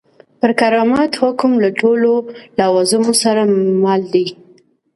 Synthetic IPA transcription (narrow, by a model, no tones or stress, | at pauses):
pəɾkaɾɑmɑt̪hʊkmlaʈololawɑzunosaɾamɑld̪i